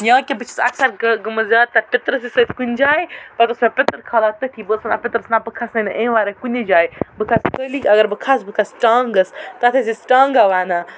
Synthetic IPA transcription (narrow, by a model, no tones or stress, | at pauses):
jãːkʲebɨt͡ʃʰi̥sɐ̰ksɐɾɡɡɐmɐzjaːd̪̚t̪ːɐpɪt̪ɾɐs̬isət̪ʰkunʲd͡ʒaːepɐɾʈɐsmẽpʲɪt̪ɾkʰaːlaːt̪ɐʈʰiːbəsɐnapʲɪt̪ɾɐsnapɨkʰɐsnɐnɐʔẽːʋaːɾekunʲed͡ʒaːjbɨkʰɐskəːlikʲɐɡɐɾbɨkʰasbɨkʰɐsʈaːŋɡɐst̪ɐt̪ʰes̬isʈãːŋɡaʋaːnaː